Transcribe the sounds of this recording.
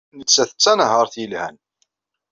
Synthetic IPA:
nət͡sːæθə̥t͡sːænɦəɾˤθjəlhæn

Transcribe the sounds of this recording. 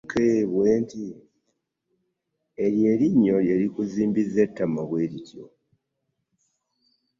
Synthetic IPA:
kʰeβweːnti | elje̞ːliɲːo̞ljeɾikuziːmbizetːamaβwe̞ːɾitʰjo̰

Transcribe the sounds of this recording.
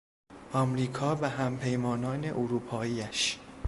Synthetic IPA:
ʔɒːmɾiːkʰɒːvæɦæmpʰe̞jmɒːnɒːne̞ʔoɾuːpʰɒːiːæʃ

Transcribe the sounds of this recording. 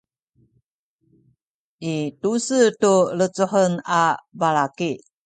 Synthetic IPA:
ʔitusətuɾət͡suħənabalaki

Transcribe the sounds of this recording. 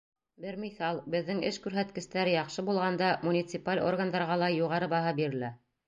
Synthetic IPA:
bɘɾmiθɑlˠbɘ̆ðːɘŋɘʃkʉɾɦæt̪kɘ̆st̪æɾɘjɑqʃɤbulˠʁɑnd̪ɑmunʲit̪sɨpalʲʔo̞̰rɡand̪ɑɾʁɑlˠɑjuʁɑɾɤbɑɦɤbiɾɘ̆læ

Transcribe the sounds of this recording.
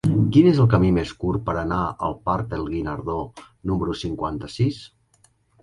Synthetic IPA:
kinezəlˠkəmimeskuɾpəɾənaə̰lˠpaɾk̚d̪əlˠɣinəɾðo | numəɾusiŋkwant̪əsis

